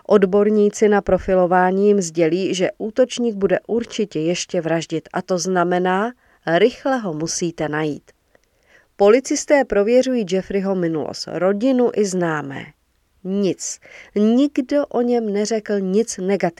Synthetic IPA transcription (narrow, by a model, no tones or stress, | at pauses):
ʔo̞dbo̞ɾɲiːt͡sɪnapɾo̞fɪlo̞vaːɲiːjɪmzɟɛliːʒɛʔuːt̪o̞t͡ʃɲiːɡ̚budɛʔuɾt͡ʃɪcɛjɛʃcɛvɾaʒɟɪt̪ʔa̰t̪o̞znamɛnaː | ɾɪxlɛɦo̞musiːt̪ɛnajḭːt̪ | po̞lɪt͡sɪst̪ɛːpɾo̞vjɛrujiːd͡ʒɛfɾɪɦo̞mɪnulo̰st̪ɾo̞ɟɪnuʔɪznaːmɛ̰ː | ɲɪt͡sɲɪɡdo̞ʔo̞ɲɛmnɛr̝ɛkl̩ɲɪt͡snɛɡat̪ɪ